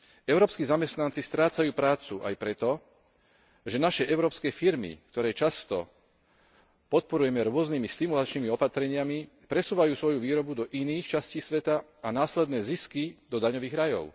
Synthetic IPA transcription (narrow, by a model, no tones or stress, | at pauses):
ɛʊɾɔːpskiːzamɛst̪nant͡sist̪ɾaːt͡sajuːpɾaːt͡suʔa̰jpɾɛt̪ɔ | ʒɛnaʃɛʔɛʊɾɔːpskɛfiɾmḭkt̪ɔɾɛːt͡ʃast̪ɔ | pɔt̪̚pɔɾujɛmɛɾʊɔznimist̪imulat͡ʃniːmiɔpat̪ɾɛɲɪami | pɾɛsuːʋajuːsʋɔjuʋiːɾɔbud̪ɔʔiniːxt͡ʃasciːsʋɛt̪aanaːslɛd̪nɛːziskid̪ɔd̪aɲɔʋiːɣɾajɔ̰ʊ